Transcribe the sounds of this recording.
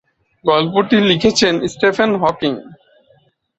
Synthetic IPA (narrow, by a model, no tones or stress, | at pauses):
ɡɔlpoʈilikʰet͡ɕʰensʈepʰanɦɔkiŋ